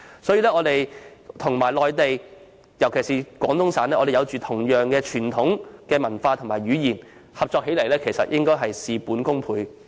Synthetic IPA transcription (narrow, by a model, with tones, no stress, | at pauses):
sɔː˨˥jiː˧˥lɛː˥ŋɔː˨˧t̪e˨jt̪ʰʊ˨˩ŋmaː˨˩jlɔː˨jt̪e˨j | jɐ˨˩wkʰe˨˩siː˨kwɔː˨˥ŋt̪ʊ˥ŋsaː˨˥nɛ˥ʔɔː˧e˨jwt͡ʃyː˨t̪ʰʊ˨˩ŋjœː˨˩ŋkɛː˧t͡ʃʰyː˨˩nt̪ʰʊ˨˥ŋkɛː˧mɐ˨˩nfaː˧t̪ʰʊ˨˩ŋmaː˨˩jɥyː˨˧jiː˨˩n | hɐ˨p̚t͡ʃɔː˧k̚ɦe˨˥jlɐ˨˩jlɛː˥kʰe˨˩jsɐ˨t̚jɪ˥ŋkɔː˥jɦɐ˨jsiː˨puː˨˥nkʊ˥ŋpʰuː˨˧j